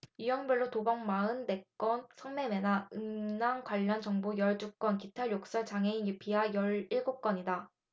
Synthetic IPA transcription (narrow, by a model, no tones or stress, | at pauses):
jijʌŋbʌɭːotobʌŋmaɯnde̞k͈wʌnsʰʌŋme̞menaɯmnaŋkwaʎːʌnt͡ɕʌŋbujʌɭt͡ɕuk͈ʌnkitʰaɭjok̚s͈ʌɭt͡ɕaŋɦeinjipʰiajʌɭiɭɡok͈ʌɲida